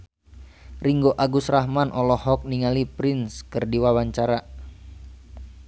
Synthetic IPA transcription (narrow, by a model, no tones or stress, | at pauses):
riŋɡoʔaɡusraɦmanʔɔlɔhɔk̚niŋalipɾinskɨrdiwawaɲt͡ʃaɾa